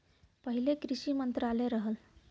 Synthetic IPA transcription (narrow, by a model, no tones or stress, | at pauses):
pəɦilekɾiɕiːmənt̪ɾaleɾəɦəl